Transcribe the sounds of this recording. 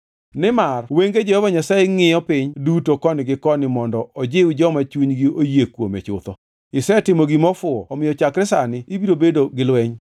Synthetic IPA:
nɪmarweŋɡed͡ʒɛhɔvaɲasaeŋɪjɔpɪɲdutokɔnɪɡɪkɔnɪmɔndɔʔɔd͡ʒɪud͡ʒɔmat͡ʃuɲɡiojekwomḛt͡ʃʊ̰t̪ɔ | ɪsɛtɪmoɡimɔfʊɔɔmɪjɔt͡ʃakɾɪsanɪibiɾobedoɡɪlwɛɲ

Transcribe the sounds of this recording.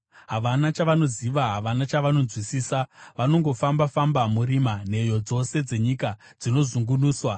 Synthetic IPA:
ɦaʋanat͡ʃaʋano̞ziʋaɦaʋanat͡ʃaʋano̞d͡zwisiːsaʋano̞ŋɡo̞fambafambamuriman̤e̞jo̞d͡zo̞se̞d͡ze̞ɲika | d͡zino̞zuŋɡunuːswa

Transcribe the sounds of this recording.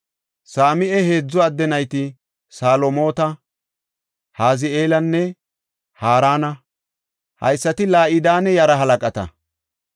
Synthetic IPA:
saːmɪʔɛhe̞ːd͡zːɔɐd̪ːɛnɐjt̪ɪ | saːlomo̞ːt̪ɐ | haːzɪeːlɐnːɛ | haːɾaːnɐ | hɐ̰jsːɐt̪ɪlaːʔɪd̪aːnɛjɐɾɐɦɐlɐkʼɐt̪ɐ̰

